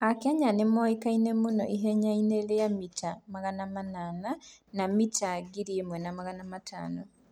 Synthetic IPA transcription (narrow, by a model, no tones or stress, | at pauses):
akɛɲanemɔikainemonɔʔiɦɛɲaineleamitamaɣanamanananamitaɡiɾiemwɛnamaɣanamatʰa̰ːno